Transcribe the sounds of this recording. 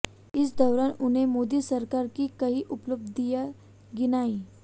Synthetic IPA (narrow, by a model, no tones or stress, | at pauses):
ɪsd̪ɔwɾanun̤emod̪iːsəɾkaɾkiːkəɦiːʔupləb̚d̪d̪ijə | ɡinai